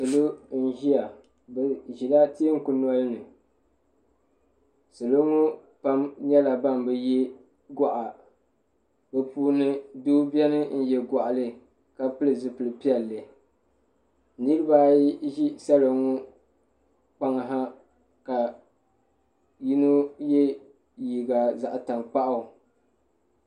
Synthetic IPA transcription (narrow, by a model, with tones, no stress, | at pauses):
sɨ˨lo˦n̩˦ʒi˦a˨ | bɨ˨ʒi˨la˦te˦ŋ̩˦kʊ˨nɔ˦lnɨ˨ | sɨ˨lo˦ŋo˦ | pa˦mɲɛ˦la˨ba˦mbɨ˨jɛ˦ | ɡa˨ʔa˨ | bɨ˨puː˦nɨ˦duː˦bi˦ɛ˦nɨ˦n̩˦jɛ˨ɡa˨ʔa˨lɨ˦ | ka˨pɨ˦lɨ˨zɨ˨pɨ˨lɨ˨pi˦ɛ˨lːɨ˨ | nɨ˦ɾɨ˦ba˦ʒi˦sa˦lo˨ŋo˦ | k͡pa˦ŋa˨ɦa˦ | ka˨ | ji˦no˦jɛ˦ | ji˨ɡa˨za˨ʔta˨ŋk͡pa˦ʔa˨